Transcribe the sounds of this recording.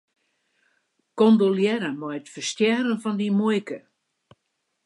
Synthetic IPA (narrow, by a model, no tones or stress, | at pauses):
kondoljɛɾəmɔjətfərstjɛɾənfɔndimujkə